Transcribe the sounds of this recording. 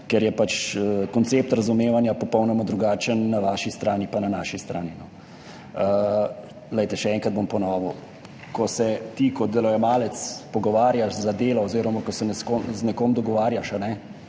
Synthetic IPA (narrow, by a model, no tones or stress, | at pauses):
kɛɾjɛpat͡ʃəkɔnt̪seːp̚t̪ɾɐzumeːʋanjapɔpɔwnɔmad̪ɾuɡaːt͡ʃənːaʋaːʃist̪ɾaːnipananaːʃist̪ɾʔa̰ːninɔ | ə | lɛjt̪ɛʃɛɛŋkɾad̪̚bompɔnɔːʋɔ | kɔsɛt̪ikɔd̪ɛlɔjɛmaːlɛt̪spɔɡɔʋaːɾjaʃzad̪eːlɔːziːɾɔmakɔsɛnɛskoznɛkoːmd̪ɔɡɔʋaːɾjaʃanɛ